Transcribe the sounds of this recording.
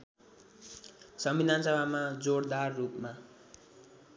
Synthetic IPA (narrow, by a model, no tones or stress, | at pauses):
sʌmbid̪ʱansʌbʱamad͡zoɽd̪arːupma